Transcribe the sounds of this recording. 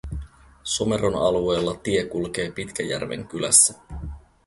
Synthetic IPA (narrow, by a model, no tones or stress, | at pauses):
some̞ɾonɑlue̞ːlːɑt̪ie̞kulk̟e̞ːpit̪kæjæ̰rʋḛŋk̟ylæ̰sːæ